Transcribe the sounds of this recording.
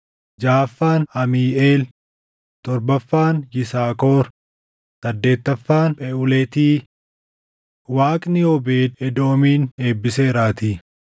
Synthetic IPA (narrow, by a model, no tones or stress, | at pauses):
d͡ʒaːfːaːnɐmiːeːl | t̪ɔɾbɐfːaːnjɪsaːko̞ːɾ | sɐd̪ːe̞ːt̪ːɐfːaːnpɛʔʊlɛt̪iː | waːkʼnɪɔbeːɛd̪o̞ːmiːne̞ːbːɪse̞ːɾaːt̪iː